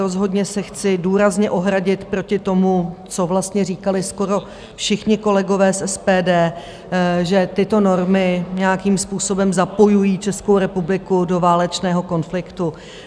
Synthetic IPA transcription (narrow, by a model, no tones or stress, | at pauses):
ɾo̞zɦo̞dɲɛsɛxt͡sɪduːɾazɲɛʔo̞ɦɾaɟɪt̪pɾo̞cɪt̪o̞mut͡so̞vlast̪ɲɛriːkalɪskoɾo̞ | fʃɪxɲɪko̞lɛɡo̞vɛːsʔɛspɛːdɛː | ʒɛt̪ɪt̪o̞no̞ɾmɪɲɛjakiːmspuːso̞bɛmzapo̞jujiːt͡ʃɛskowɾɛpublɪkudo̞vaːlɛt͡ʃnɛːɦo̞ko̞nflɪkt̪u